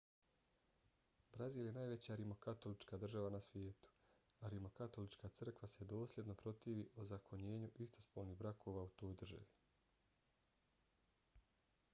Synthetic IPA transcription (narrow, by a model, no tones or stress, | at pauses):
bɾaziːlje̞naːjʋe̞t͡ɕaɾimo̞kat̪o̞lit͡ʃkaːd̪r̩ʒaʋanasʋje̞ːt̪u̥ | aɾimo̞kat̪o̞lit͡ʃkaːt̪sɨr̩kʋase̞d̪o̞ːslʲje̞d̪no̞pɾo̞t̪iːʋiʔozakʰo̞ɲe̞ːɲuʔist̪o̞spoːlniːɣbɾakʰo̞ːʋaːut̪o̞ːjd̪r̩ʒa̰ʋi